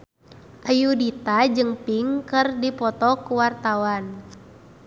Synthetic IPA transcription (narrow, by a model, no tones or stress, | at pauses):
ʔajudit̪ad͡ʒɨŋpiŋkɨrdipɔt̪ɔkuwart̪awan